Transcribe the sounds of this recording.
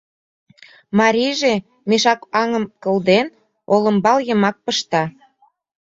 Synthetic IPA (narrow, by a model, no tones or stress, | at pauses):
mɑɾʲijʒe | meʃɑkɑŋə̆mkə̆ld̪en | olə̆mbɑljə̆mɑk̚pəʃt̪ɑ